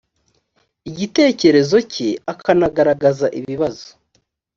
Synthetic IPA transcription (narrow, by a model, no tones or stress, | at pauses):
iɟite̞ːce̞ɾe̞zo̞cʰeakʰanaɡaɾaɡazaʔiβiβazo̥